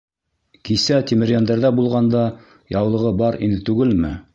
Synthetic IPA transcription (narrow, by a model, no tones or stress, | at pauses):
kisæt̪imɘ̆ɾʲjænd̪æɾðæbulˠʁɑnd̪ɑ | jɑwlˠɤ̆ʁɤbɑɾinɘt̪ʉɡɘlmɘ̰